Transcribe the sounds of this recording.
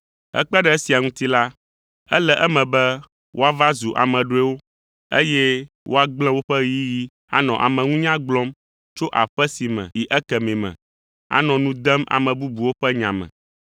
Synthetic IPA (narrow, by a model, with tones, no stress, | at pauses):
ɛ̰˦k͡pɛ˦ɖɛ˦si˨a˨ŋũ˦t̪i˦la˦ | ɛ̰˦lɛ˨ʔɛ˦mɛ̃˨bɛ˦ | wʔo˦a˦va˦zu˨ʔa̰˨mɛ̃˨ɖo˦ɛ˦wo˦ | ḛ˦jɛ˦ | wʔo˦a˦ɡ͡bl̃ɛ̃˦wo˦ɸɛ˦ji˦ji˦ | a˦nɔ̃˨ʔa˨mɛ̃˨ŋũ˦ɲã˦ɡ͡blɔ̃˦m | t͡ʃo˦ʔa˨ɸɛ˦si˨mɛ̰̃˨ji˨ʔɛ˦kɛ˨mẽ˨mɛ̰̃˨ | a̰˨nɔ̃˨nũ˦d̪ɛ˦ma̰˨mɛ̃˨bu˦bu˨wo˦ɸɛ˦ɲã̰˨mɛ̰̃˨